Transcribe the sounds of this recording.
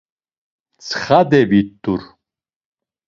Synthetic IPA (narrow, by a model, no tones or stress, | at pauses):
t͡sʰχad̪ɛbit̪ʼːuɾ